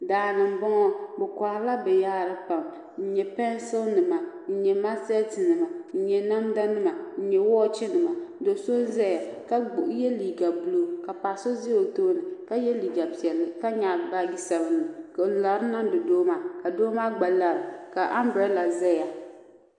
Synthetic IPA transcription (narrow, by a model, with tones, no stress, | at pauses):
daː˨nɨ˨m˨bɔ˦ŋɔ˦bɛ˨ka˨ɾla˦bɛ˨jaː˦ɾɨ˦pa˨m | n̩˦ɲɛ˨pɛ˦n˦so˦lnɨ˨ma˨ | n̩˦ɲɛ˨ma˦sɛ˦ti˨nɨ˨ma˨n̩˦ɲɛ˨na˦mda˦nɨ˦ma˨n̩˦ɲɛ˨wɔː˦t͡ʃɛ˦nɨ˨ma˨˦do˨so˦n˦zɛ˦ja˨ka˦˨˦jɛ˦liː˨ɡa˨bu˦lo˦ka˨pa˨so˦zɪ˦jo˨to˦nɨ˨ka˦jɛ˦liː˨ɡa˨pi˨ɛ˨lːɨ˨ka˦ɲa˨ba˦ɡi˦sa˨bɨ˦nɨ˨k̩˨˦˨la˨ɾɨ˦na˦mdɨ˨doː˦ma˦ka˨doː˦ma˦ɡ͡ba˨la˨ɾɨ˨ka˨ʔa˦mbɾɛ˦la˨zɛ˦ja˨